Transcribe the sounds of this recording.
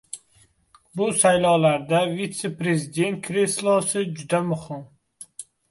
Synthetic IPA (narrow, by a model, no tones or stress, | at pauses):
bʊsajlˠɒlaɾd̪avit̪sepɾezid̪e̞nt̪̚kʰɾeslˠosɪd͡ʒʊd̪amʊhɪm